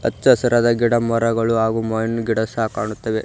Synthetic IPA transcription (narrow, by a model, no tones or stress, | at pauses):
ɐt̪ːt͡ʃɐsɐɾad̪ɐɡiɽɐmɔɾɐɡɐɭuɦaːɡumɐjɐnɡiɽɐsaːkaːɳut̪ːɐʋe